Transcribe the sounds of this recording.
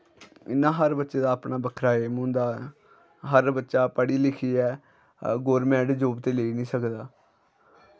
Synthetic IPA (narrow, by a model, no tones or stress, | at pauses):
ɪ̰nːãːɦəɾbətːʃeːd̪aːəpnaːbəkʰɾaːeːmũːnd̪aː | ɦəɾbətːʃaːpəɽiːlɪkʰiːɛː | ɡoːɾmɛ̃ːʈd͡ʒoːbt̪eːleːiːnĩːsəkd̪aː